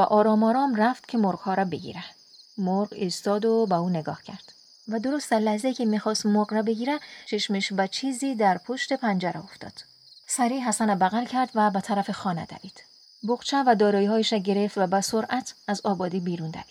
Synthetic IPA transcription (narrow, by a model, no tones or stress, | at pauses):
væʔɒːɾɒːmɒːɾɒːmræft̪cʰe̞moɾɡhɒːɾbe̞ɡḭɾæ | moɾɡiːst̪ɒːd̪obeuːneɡɒ̰ːhcʰæɾd̪̥ | væd̪o̞ɾost̪æɾlæhzeiːcʰemiːxɒːst̪moɾɡræbe̞ɟiːɾæt͡ʃʰeʃmeʃvæt͡ʃʰiːziːd̪æɾpʰoʃt̪e̞pʰænd͡ʒæɾæoft̪ɒ̰ːd̪̥ | sæɾiːɦæsænæbæɣælcʰæɾd̪væbæt̪ʰæɾæfexɒːnæ̰d̪æ̰viːd̪̥ | boqt͡ʃʰævæd̪ɒːɾɒːjiːhɒːjeʃæɟe̞ɾe̞ft̪væbæsoɾʔæt̪ʰæzɒːbɒːd̪iːbiːɾund̪æ̰vi̥ː